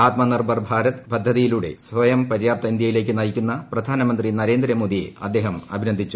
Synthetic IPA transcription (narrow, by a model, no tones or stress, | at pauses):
aːt̪mɐnɐrbɐrbʱaːɾɐt̪pɐd̪ʱːɐðijiluːɽe̞̰sʋɐjɐmpɐɾjaːp̚t̪ɐind̪jɐjile̞ːk̬ʲːɨnɐjikʲːunːɐprɐd̪ʱaːnɐmɐnd̪rinɐɾe̞ːnd̪ɾɐmoːd̪iḛɐ̰d̪ːe̞ːɦɐmɐbʱinɐnd̪ʱit͡ɕːu